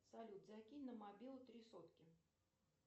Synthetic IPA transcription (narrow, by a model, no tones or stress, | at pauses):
salʲut̪zakʲinʲnəmabʲilˠʊt̪ɾʲisot̪kʲɪ